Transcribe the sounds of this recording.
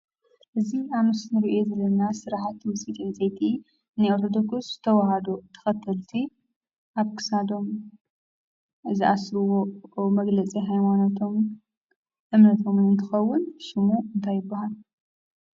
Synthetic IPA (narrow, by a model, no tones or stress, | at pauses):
ʔɨzianusnɨɾiʔjezɐlːɐnasɨɾaħat̪mɨsit̪ʼint͡sʼɐjt̪ʰi | nɨoɾt̪ʰod̪okusz̥ɨ̥t̪ʰɐwaɦad̪ot̪ʰɐ̥xɐt̪ʰːɐlt̪ʰi | ʔaβkʰɨ̥sad̪o̞m | ɨzɨʔasɾɨwomɐɡlɐt͡sʼiɦajmanat̪ʰo̞m | ʔɨmnɐt̪ʰo̞mnɨnt̪ʰɨxɐwːʊnʃɪmuɨnt̪ʰajːɪbːahal